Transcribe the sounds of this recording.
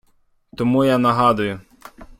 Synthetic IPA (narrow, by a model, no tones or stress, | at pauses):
t̪ɔmujanɐɦɑd̪ʊjʊ